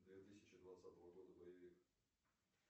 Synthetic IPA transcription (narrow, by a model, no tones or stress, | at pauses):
d̪vʲet̪ɨsʲɪt͡ɕɪd̪vɐt̪sat̪əvəɡo̞d̪əbəjɪvʲik